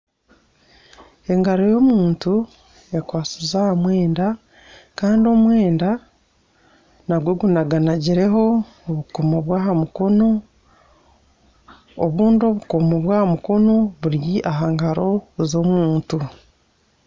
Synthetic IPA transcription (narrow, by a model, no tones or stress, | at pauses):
e̞ŋɡaɾo̞jo̞muːntu | ekwaːt͡sizahamwe̞ːnda | kaːndio̞mwe̞ːnda | naɡweɡunaɡanaɟiɾe̞ɦo̞ː | βukomoβwaːɦamuko̞no̞ | βuːndo̞βukomoβwaːhamuko̞no̞βuɾiʔaɦaŋɡaɾo̞zo̞muːntu